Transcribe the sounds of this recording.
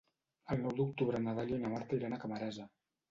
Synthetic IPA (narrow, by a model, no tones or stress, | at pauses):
əlˠnɔwd̪uk̚t̪uβɾənaðaʎonamaɾt̪aiɾanakəməɾɛzə